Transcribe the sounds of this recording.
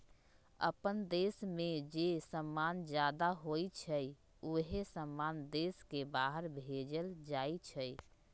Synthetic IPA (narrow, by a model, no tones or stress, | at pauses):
ə̰pənd̪esmẽd͡ʒesəmːand͡ʒjad̪aɦojt͡ʃʰəj | oɦesəmːand̪eskebaɦəɾbʱed͡ʒəld͡ʒajt͡ʃʰəj